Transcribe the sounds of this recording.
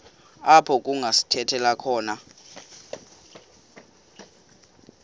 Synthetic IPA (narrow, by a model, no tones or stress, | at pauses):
apʰɔk̬ʼuŋʱasi̥tʰɛtʰɛlakʰɔːna